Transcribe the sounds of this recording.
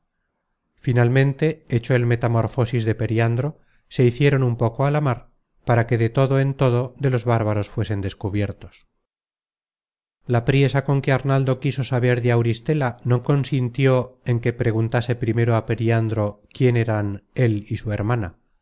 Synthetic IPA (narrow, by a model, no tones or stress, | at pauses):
finalmẽnt̪e̞et͡ʃo̞e̞lme̞t̪amo̞ɾfo̞sizðe̞pe̞ɾjand̪ɾo̞ | se̞iθje̞ɾo̞numpo̞koalamaɾ | paɾake̞ðe̞t̪o̞ðoe̞nt̪o̞ðo̞ðe̞lo̞zβaɾβaɾo̞sfwe̞se̞nd̪e̞skuβje̞ɾt̪o̞s | lapɾje̞sako̞ŋke̞aɾnald̪o̞kiso̞saβ̞e̞ɾðeawɾist̪e̞lano̞ko̞nsint̪jo̞e̞ŋke̞pɾe̞ɣ̞unt̪ase̞pɾime̞ɾoape̞ɾiand̪ɾo̞kje̞ne̞ɾane̞lisue̞ɾmana̰